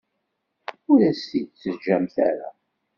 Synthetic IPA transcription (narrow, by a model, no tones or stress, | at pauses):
ʊɾæsid̪̚t͡sːəzd͡ʒæmθæ̰ɾa̰